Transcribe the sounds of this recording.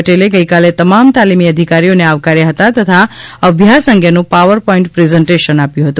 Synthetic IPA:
əʈeleɡəjkalet̪əmamt̪alimiəd̪ʱikaɾijoneaʋkaɾjaɦət̪at̪ət̪ʰaəbʱjasəŋɡʱjənũpaʋəɾpɔĩɳʈpɾezəɳʈeʃənapjũɦət̪ũ

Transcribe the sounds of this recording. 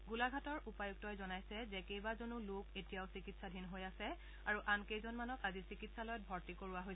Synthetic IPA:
ɡulaɡʱatɔɹʔupajuɡ̚tɔjzɔnajsɛzɛkejbazonuluketijaʊsikitsadʱinɦojasɛ | aɹuʔankejzɔnmanɔkazisikitsalɔjɔt̚bʱɔɹtikoɹuaɦoj

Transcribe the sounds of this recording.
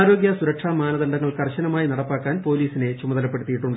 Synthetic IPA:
aːɾo̞ːɡjɐsuɾɐkʂaːmaːnɐðɐɳɖɐŋːɐɭkɐrɕɐnɐmaːjinɐɽɐpːaːkːaːnpo̞ːliːsine̞t͡ɕumɐðɐlɐpːe̞ɽut̪ːijiʈːuɳɖɨ

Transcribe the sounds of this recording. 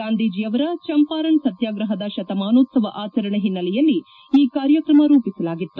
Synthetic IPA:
ɡaːnd̪iːd͡ʒijɐʋɐɾɐt͡ʃɐmpaːɾɐɳsɐt̪jaːɡɾɐɦɐd̪ɐʃɐt̪ɐmaːnoːt̪sɐʋɐʔaːt͡ʃɐɾɐɳɐɦinːɐlɛjɐlːi | iːkaːɾjɐkɾɐmɐɾuːpisɐlaːɡit̪ːu

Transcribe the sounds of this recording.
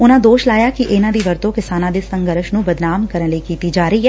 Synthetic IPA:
ʊnãd̪oːʃlaːjakiʔeːnãd̪iʋɐɾt̪õkɪsaːnãd̪isɐ̃ŋɡəɾəʃnũbɐd̪naːmkɐɾənlikiːt̪id͡ʒaːɾəiɦɛː

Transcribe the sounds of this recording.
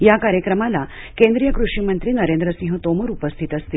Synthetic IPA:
jakaɾjəkɾəmala | kẽnd̪ɾijəkɾuʂimənt̪ɾiːnəɾend̪ɾəsĩɦət̪oməɾupəst̪ʰit̪əst̪il

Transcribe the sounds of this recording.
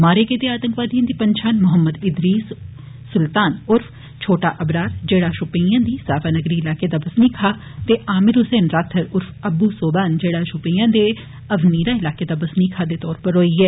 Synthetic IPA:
maːɾeːkɪt̪eːaːt̪əŋkʋaːd̪ijãːd̪iːpəɲt͡ʃʰaːnmʊɦəmːəd̪ɪd̪ɾiːsː | ʊlt̪aːnʊɾfʰ | t͡ʃʰoːʈaːʔəbɾaːɾd͡ʒeːɽaːʃʊpejãːd̪iːsaːʋaːnəɡɾiːɪlaːkeːd̪aːbəsniːkʰaː | t̪eːʔaːmɪɾʊseːnɾaːt̪ʰəɾʊɾfʰəbuːsoːbaːnd͡ʒeːɽaːʃʊpijãːd̪eː | əʋniːɾaːɪlaːkeːd̪aːbəsniːkʰaːd̪eːt̪ɔːɾpəɾɦoːiːɛː

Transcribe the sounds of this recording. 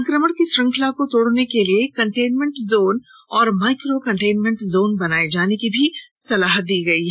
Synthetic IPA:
sɐ̃ŋkɾəməɽkiʃɾɐ̃ŋkʰəlakot̪oːɽnekeliekɐ̃ɳʈeːnmẽɳʈzoːn | ɔːɾmaːɪkɾokɐ̃ɳʈeːnmẽɳʈzoːnbɐnaːed͡ʒaːnekibʱisɐlaːɦət̪̚d̪iːɡɐiɦ

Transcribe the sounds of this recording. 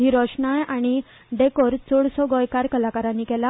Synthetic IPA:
iɾɔɕɳajaɽ̃i | ɖekoɾt͡soɽsɔɡɔjkaɾkəlakaɾãnːiːkɛla

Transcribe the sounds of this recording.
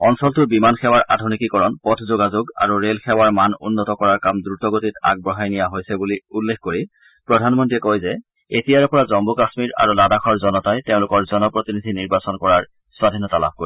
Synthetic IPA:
ɔnsɔltʊbimanxɛwaɹʔadʱunikikɔɹɔnpɔtʰzoɡazoɡa̰ɹuɹelxɛwaɹmanṵnːɔtɔkɔɹaɹkamdɹutɔɡotita̰ɡ̚bɹɔɦajnijaɦojsɛbuliulːekkoɹi | pɹɔdʱanmɔntiɛkojzɛ | etijaɹɛpɔɹazɔmbukasmiɹa̰ɹuladaxʰɔɹzɔnɔtajteʊ̃lʊkɔɹzɔnɔpɹotinidʱiniɹbasɔnkɔɹaɹ | swadʱinɔtala̰p̚ʰkoɹi

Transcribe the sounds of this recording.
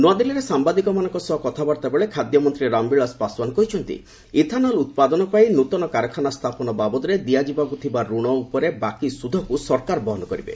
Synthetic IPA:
nwad̪iliɾesambad̪ikɔmanɔ̃ŋkɔsɔɦɔkɔt̪ʰabaɾt̪abeɭekʰad̪jɔmɔnt̪ɾiɾambiɭaspaswanɔkɔɦit͡ʃʰɔnt̪ḭ | it̪ʰanɔlut̪̚pad̪ɔnɔpainut̪ɔnɔkaɾɔkʰanast̪ʰapɔnɔbabɔt̪ɔɾed̪iad͡ʒibakut̪ʰibaɾuɽ̃ɔupɔɾebakisud̪ʱɔkusɔɾkaɾbɔɦɔnɔkɔɾibḛ

